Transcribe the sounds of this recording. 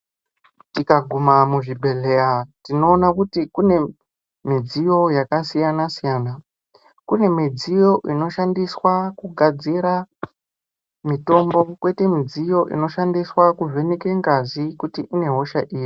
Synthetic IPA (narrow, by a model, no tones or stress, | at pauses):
tikaɡʱumamuʐibʱe̞ɮe̞jatino̞ːnakutikune̞ | mid͡zijo̞jakasijanasijaːna | kune̞mid͡zijo̞ʔino̞ʃandiswakuɡʱad͡ziɾa | mito̞mbo̞kwe̞te̞mid͡zijo̞ʔḭno̞ʃandiswakuvʱe̞nekeŋɡazikutiʔine̞ɦo̞ʃaʔiːji